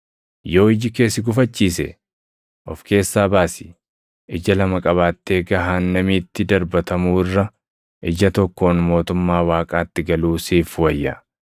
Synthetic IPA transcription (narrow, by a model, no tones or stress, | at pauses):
jo̞ːɪd͡ʒɪke̞ːsɪɡʊfɐt͡ʃːiːsɛ̰ | ʔɔfke̞ːsːaːbaːsɪ̥ | ʔɪd͡ʒɐlɐmɐkʼɐβaːt̪ːe̞ːɡɐɦaːnːɐmiːt̪ːɪd̪ɐɾbɐt̪ɐmuːɪrːɐ | ʔɪd͡ʒɐt̪ɔkːo̞ːnmo̞ːt̪ʊmːaːwaːkʼaːt̪ːɪɡɐluːsiːfwɐjːɐ̰